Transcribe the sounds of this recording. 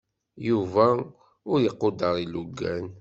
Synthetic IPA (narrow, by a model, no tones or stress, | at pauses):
juvæ | ʊɾjəqːod̪əɾˤiluɡːæn